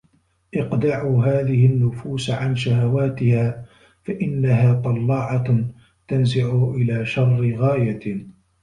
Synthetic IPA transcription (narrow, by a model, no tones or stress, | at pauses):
ʔɪqd̪aʕuːɦaːðɪhɪnːʊfuːsʕanʃaɦawaːt̪ɪhaː | faʔɪnːaɦaːt̪ˤɑlːɑːʕɑ | t̪anzɪʕʊʔɪlaːʃɑrˤːɣaːja